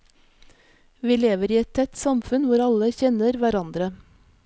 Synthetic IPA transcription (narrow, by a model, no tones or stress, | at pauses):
ʋiːleːʋəɾiːɛt̪̚t̪ʰɛt̪sɑmfʉnʋʊɾɑləçɛnəɾʋæɾɑnd̪ɾə